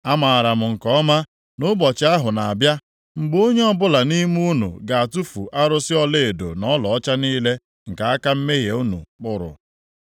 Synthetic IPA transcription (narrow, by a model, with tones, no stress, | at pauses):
a˦ma˨a˨ɾa˨m̩˨ŋ̩˨kɔ˦ma˦ | nʊ˦bɔ˨t͡ʃɪ˨˦a˦ɦʊ˨na˨a˨bja˦ | ŋ͡m̩˨ɡ͡bo˦ɲe˦ɔ˦˨bʊ˦la˨ni˦m˦u˦nṵ˨ɡa˨a˨tu˦fu˨ʔa˦ɾʊ˦sɪ˦ɔ˦le˦e˨do̰˨nɔ˦lɔ˨ɔ˦t͡ʃa˦niː˦le˦ | ŋ̩˨ka˨a˦ka˦m̩˦me˦ɣe˨u˦nṵ˨k͡pʊ˦ɾʊ̰˨